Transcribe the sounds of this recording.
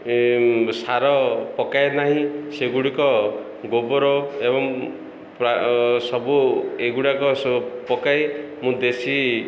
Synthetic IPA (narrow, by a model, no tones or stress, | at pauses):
saɾɔpɔkajenaɦĩseɡuɽikɔ | ɡobɔɾɔebɔŋ | pɾasɔbueɡuɽakɔspɔkae | mũd̪esi